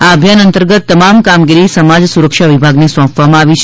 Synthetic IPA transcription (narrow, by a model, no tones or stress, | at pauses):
aəbʱjanənt̪əɾɡət̪ːəmamkamɡiɾisəmad͡ʒsuɾəkʃaʋibʱaɡnesɔ̃pʋamãaʋit͡ʃʰ